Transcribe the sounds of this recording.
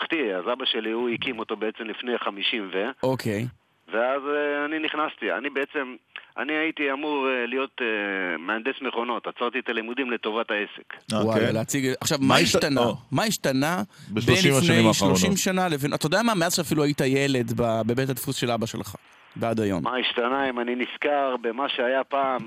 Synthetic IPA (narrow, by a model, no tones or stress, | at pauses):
χt̪iazabaʃeliuikimo̞t̪o̞beet͡semlifnejχamiʃimveokʰej | veazeaniniχnast̪ia̰nibeet͡se̞mʔa̰niait̪iamuʁelijo̞t̪emeand̪esmeχo̞no̞t̪at͡saʁt̪iet̪alimud̪imlet̪o̞vataesekwajaleat͡siɡeʔaχʃavmaiʃtanamaiʃt̪anabeʃbenimʃneimaʃloʃimʃanalevenat̪aodeamameazʃeafiluaitajele̞dbabebetad̪fusʃe̞labaʃelχa̰ | bead̪ajo̰nmaiʃtanaimaniniskaʁbemaʃeajapaːm